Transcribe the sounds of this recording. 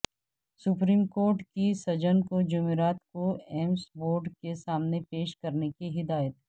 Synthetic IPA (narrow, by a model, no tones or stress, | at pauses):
sʊpɾiːmkoːɾʈkisɐd͡ʒənkod͡ʒʊmeɾaːt̪koɛːmsboːɾɖkesaːmnepeːʃkɐɾnekiɦɪd̪aːjət̪